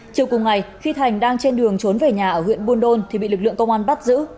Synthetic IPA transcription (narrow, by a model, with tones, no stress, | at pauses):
t͡ɕi˨˩əwkʊ˨˩ŋ͡mŋa˨˩jxi˧t̪ʰa˨˩jŋ̟ɗaː˧ŋt͡ɕe˧nɗɨ˨˩əŋt͡ɕo˨˦nve˨˩ɲaː˨˩ʔəː˧˩hwḭ˧˨ənɓu˧ənɗo˧nt̪ʰi˨˩ɓḭ˧˨lɨ˨˩klɨ̰˧˨əŋkə˧wŋ͡mʔaː˧nɓa˦˥t̚zɨ̰˧˥